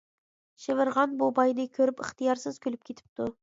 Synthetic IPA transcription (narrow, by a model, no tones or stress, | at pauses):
ʃəvəɾʁɑnbobɑjnəkʲʰɵɾɪpəχt̪əjɑɾsəz̥kʲʰɵlɪp̚kʲʰet̪ʰɪ̥p̚t̪ʰʊ